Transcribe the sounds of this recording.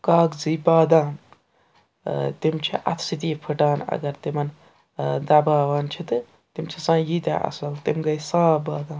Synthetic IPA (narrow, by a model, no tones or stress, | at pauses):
kaːɡd͡zibaːd̪aːn | t̪imt͡ʃʰiʔɐ̰t̪ʰsit̪ipʰɨʈaːnɐ̰ɡɐɾt̪imɐn | d̪aːbaːʋaːnt͡ʃʰit̪ɨ | t̪imt͡ʃʰisãːjit̪ʲa̰ʔɐ̰sɐlt̪imɡɐisaːbaːd̪ãːn